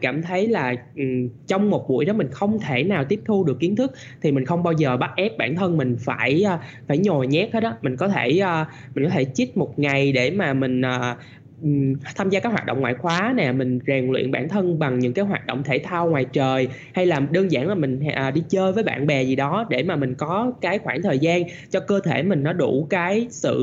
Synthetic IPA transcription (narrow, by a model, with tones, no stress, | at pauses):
kaː˧˩mt̪ʰə˨˦jlaː˨˩ʔt͡ɕɔ˧wŋ͡mmo˨˩t̚ɓṵ˧˩əjɗɔ˨˦mï˨˩ŋ̟xə˧wŋ͡mt̪ʰe˧˩naː˨˩wt̪i˦˥əp̚t̪ʰu˧ɗɨ˨˩əkːi˨˦ənt̪ʰɨ˦˥k̚ | t̪ʰi˨˩mi˨˩ŋ̟xə˧wŋ͡mɓaː˧wzəː˨˩ɓa˦˥t̚ʔɛ˦˥p̚ɓa̰ː˧˩nt̪ʰə˧nmï˨˩ŋ̟faː˧˩jʔːfaː˧˩jɲo˨˩jɲɛ˦˥t̚he˦˥t̚ɗɔ˨˦mï˨˩ŋ̟kɔ˨˦t̪ʰe˧˩ʔəː˧ | mï˨˩ŋ̟kɔ˨˦t̪ʰe˧˩t͡ɕi˦˥t̚mo˨˩t̚ŋa˨˩jɗe˧˩maː˨˩mï˨˩ŋ̟ʔəː˨˩ | t̪ʰaː˧mzaː˧kaː˦˥khwa̰ː˨˩ɗə̰˧˨wŋ͡mŋwa̰ː˨˩jxwaː˨˦nɛ˨˩mï˨˩ŋ̟zɛ˨˩ŋlwḭ˧˨ənɓa̰ː˧˩nt̪ʰə˧nɓa˨˩ŋɲɨ̰˧˥ŋkaː˨˦jɦwaː˨˩t̚ɗə̰˧˨wŋ͡mt̪ʰe˧˩t̪ʰaː˧wŋwaː˨˩jt͡ɕəː˨˩j | ha˧jlaː˨˩ɗəː˧ŋza̰ː˧˩nlaː˨˩mï˨˩ŋ̟ʔːɗi˧t͡ɕəː˧jvəː˨˦jɓa̰ː˧˨nɓɛ˨˩zi˨˩ɗɔ˨˦ɗe˧˩maː˨˩mï˨˩ŋ̟kɔ˨˦kaː˨˦jxwaː˧˩nt̪ʰəː˨˩jzaː˧n | t͡ɕɔ˧kəː˧t̪ʰe˧˩mï˨˩ŋ̟nɔ˨˦ɗu˧˩kaː˨˦jsɨ̰˧˨